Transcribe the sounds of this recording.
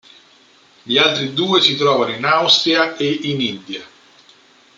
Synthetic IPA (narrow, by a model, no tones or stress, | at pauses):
ʎialt̪ɾid̪uːesit̪ɾɔːvanoinawst̪ɾiaeinind̪jia